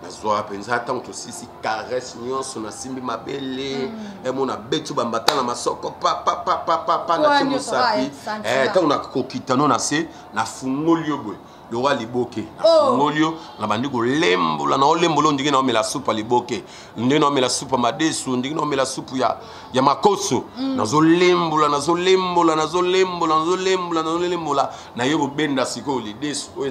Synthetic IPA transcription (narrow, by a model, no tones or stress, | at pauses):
na̰zwapenzataŋɡotosisikaʁɛsɲɔ̃nsɔnasimbimabeleɛmɔnabetibambatanamasɔkɔpapapapapapanatimosapiɛtaŋɡonakokitanonase | nafuŋɡoliobwe | lokɔalibokenafuŋɡolio | nabandikolembo̰lanaolembolndeŋɡenaomɛlasupaliboke | ndeaomelasupamadesundeŋɡeaomɛlasupuja̰ | jamakosona̰zolembolanazolembolanazolembolanazolembolanazoembola | najekobendasikolidesu̥o